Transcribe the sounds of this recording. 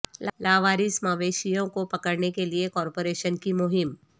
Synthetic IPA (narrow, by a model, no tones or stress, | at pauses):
llaːʋaːɾisɐmaːʋeːʃijõkopɐkəɽnekeliekɔːɾpoːɾeːʃənkimʊɦɪm